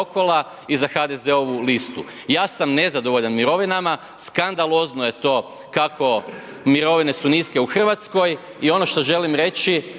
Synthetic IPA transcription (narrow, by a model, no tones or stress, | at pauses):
oko̞lˠa | izaxad̪e̞ze̞o̞ʋulist̪ṵ | jaːsamne̞zad̪oʋo̞ʎanmiɾo̞ʋinama | skand̪alo̞znoje̞t̪o̞ː | kakʰo̞ | miɾo̞ʋine̞suniske̞uxr̩ʋat̪sko̞j | io̞no̞ʃt̪o̞ʒe̞limɾe̞t͡ʃi